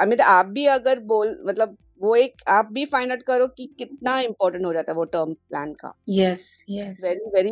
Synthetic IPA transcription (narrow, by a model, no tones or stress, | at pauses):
ɐmĩt̪aːp̚bʱiɐɡəɾboːlmɐt̪ləb | ʋoeːkaːp̚bʱifaːɪ̃naʈkɐɾokikɪt̪̚naɪ̃mpɔːɾʈə̃ɳʈɦoːd͡ʒaːt̪aɦɛʋoʈəːɾmplæ̰̃ːnka̰ːjɛsjɛsʋɛɾiʋɛɾi